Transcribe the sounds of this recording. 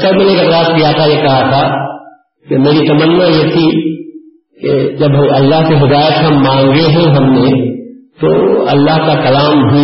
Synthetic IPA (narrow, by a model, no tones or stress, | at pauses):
sɐɾmenekalaːskijat̪ʰajekɐɦat̪ʰa | kemeːɾit̪ɐmənːajet̪ʰi | ked͡ʒɐbɐlːaɦseɦɪd̪aːjət̪ɦɐ̃mːãːŋɡeɦɛ̃ɦɐmnẽt̪o̰ʔɐlːaɦkakɐlaːmɦ